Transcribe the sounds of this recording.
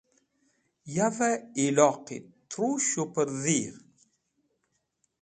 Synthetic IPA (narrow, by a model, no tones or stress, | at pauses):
javailɔqḭt̪ːɾuʃupəɾðiɾ